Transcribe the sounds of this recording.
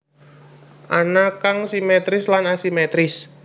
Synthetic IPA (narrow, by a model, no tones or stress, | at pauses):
ʔanakaŋsimet̪ɾɪslanasimet̪ɾɪs